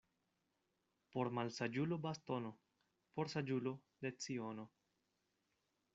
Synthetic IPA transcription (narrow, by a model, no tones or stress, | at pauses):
po̞ɾmalsad͡ʒulobast̪o̞no̞ | poɾsad͡ʒulo | d̪e̞t͡sio̞no